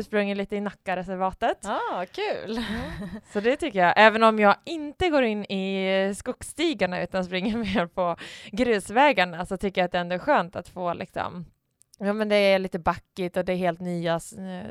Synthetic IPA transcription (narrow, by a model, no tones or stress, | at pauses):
ʂpɾɵŋːəliːt̪əɪnakːaɾɛsæɾvɑːt̪ət̪ːkʰʉːl | sɔd̪ɛt̪ʰʏkːəjɑːʔɛːvənɔmjɑːɡɪnt̪əɡoːɾɪnːɪskʊkst̪iːɡaɳaʉ̟ːt̪anspɾɪŋːəɾmeːɾpʰɔɡɾʉ̟ːsvɛːɡaɳasɔt̪ʰʏkːəjat̪̚d̪ɛɛnd̪oɔæɾɧøːnt̪at̪foːlɪ̰ksɔ̰m | juːmɛnd̪ɛːɭiːt̪əbakːɪt̪ɔd̪ɛːɾɦeːlt̪nyːas